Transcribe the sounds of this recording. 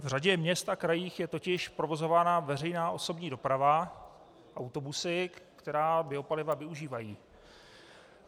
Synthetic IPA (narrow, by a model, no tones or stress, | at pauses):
vr̝aɟɛmɲɛst̪akɾajiːxjɛt̪o̞cɪʃpɾo̞vo̞zo̞vaːnavɛrɛjnaːʔo̞so̞bɲiːdo̞pɾava | ʔawt̪o̞busɪkkt̪ɛɾaːbɪo̞palɪvavɪuʒiːvajiː